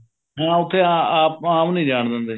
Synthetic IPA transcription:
ɦɛ̃ːʊt̪ʰːeːaaːpaːmnĩːd͡ʒaːɳd̪ə̃nd̪eː

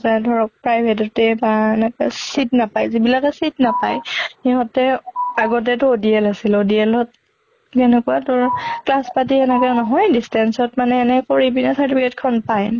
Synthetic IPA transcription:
tadʱɔɹɔk̚pɹajbʱɛtɔtɛbaɛnɛkɛsitnapajzibilakɛsit̚napajhiɦɔtɛaɡɔt̬ɛtʊodiɛlasilodiɛlɔt̚ | ɡɛnɛkuatʊɹklaspatiɛnɛkanɔɦɔjdistɛnsɔtmanɛːnɛkoɹibinasaɹtipʰikɛtkʰɔnpaj

